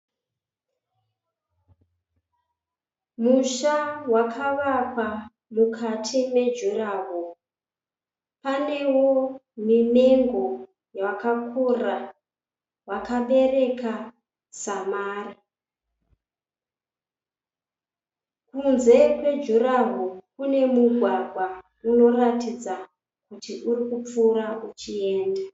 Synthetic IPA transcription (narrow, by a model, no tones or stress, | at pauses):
muʃawakʰaʋakwa | mukʰatʰime̞d͡ʒuraβo | pane̞womineŋɡo | jakakʰura | wakaɓe̞ɾe̞ka | samaːri | kunze̞kwe̞d͡ʒuɾaɦokune̞muɡʱwaɡʱwa | uno̞ratid͡za | kutiʔuɾikup͡fuɾaut͡ʃie̞ːnda